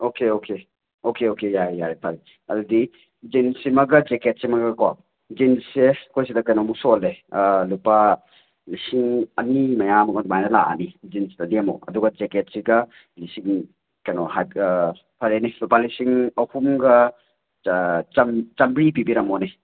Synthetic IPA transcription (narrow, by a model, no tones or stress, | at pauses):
okeokʰe | okeokejajaɾepʰaɾe | ɐdudi | d͡ʒinsimɐɡɐd͡ʒeket̚simɐɡɐka | d͡ʒinssekʰojs̬idɐkɐjnɔmusolelupa | lisiŋɐnimɐjamɐɡɔdmajnɐla̰a̰nid͡ʒinsidɐdiamo̰ɐ̰duɡɐd͡ʒeket̚siɡɐ | lisiŋ | kɐjnohaj | pʰɐɾenilupalisiŋɐhumɡɐ | t͡ʃɐmt͡ʃɐmɾipibiɾɐmone